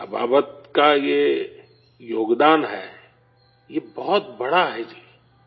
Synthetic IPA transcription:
ba̰ːbət̪̚kaje | joːɡd̪aːnɦɛ̰ː | jebɔɦʊt̪bɐɽaɦɛd͡ʒiː

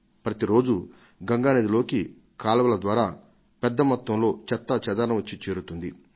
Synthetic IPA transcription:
pɾɐt̪iɾo̞ːd͡ʒu | ɡɐŋɡaːned̪ilo̞ːki | kaːlɐʋɐlɐd̪ʋaːɾaː | pɛd̪ːɐmɐt̪ʋɐmlo̞ːt͡ʃɛt̪ːɐt͡ʃɛd̪ɐɾɐnɐʋɐt͡ʃːit͡ʃe̞ːɾut̪und̪i

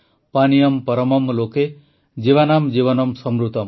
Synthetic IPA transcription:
panijɐmpɐɾʌmʌmloke | d͡ʒiʋanamd͡ʒiβʌnʌmsʌmɾut̪ɔm

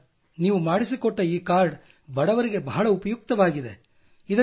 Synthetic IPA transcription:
niːʋumaːɽisikɔʈːɐiːkaːɾɖ | bɐɽɐʋɐɾiɡe̞bɐɦɐɭɐupɐjuk̚t̪ɐʋaːɡid̪e̞ | id̪ɐ

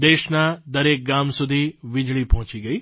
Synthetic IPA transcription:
d̪eːʃnad̪əɾek̚ɡamsud̪ʱiʋɪd͡ʒɭipɔɦɔ̃t͡ʃiɡəi

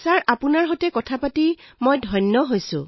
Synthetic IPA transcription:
saɹapunaɹɦotɛkɔtʰapatimojdʱɔjnːɔɦojsʊ̰̃

